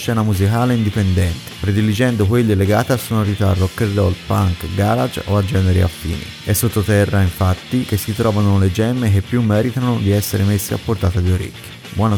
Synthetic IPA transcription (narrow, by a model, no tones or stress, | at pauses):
ʃt͡ʃːɛːnamuzikaːleind̪ipend̪ɛnt̪e̥pɾed̪ilid͡ʒɛnd̪okwelːeleɡa̰ːt̪easːonoɾit̪aarːokːerd̪ɔ̰lpa̰ŋkɡaːɾad͡ʒoad͡ʒɛːneɾḭa̰fːḭːnḭ | ɛsːot̪ːot̪ɛrːaiɱfat̪ːik̟esːit̪ɾɔːvanoled͡ʒɛmːek̟epːjumːɛːɾit̪anod̪iɛsːeɾemesːea̰pːort̪aːt̪ad̪ioɾḛkːo̥ | bwʔɔːna